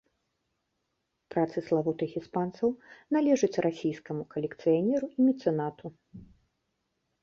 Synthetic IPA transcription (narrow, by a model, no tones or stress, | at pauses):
pɾat̪sɨslˠavɔt̪ɨxʲispant̪sɐwnalʲɛʐɨt͡sʲrʔasʲijskɐmukɐlʲɛkt̪sɨjanʲɛɾuʔimʲit̪sɛnat̪u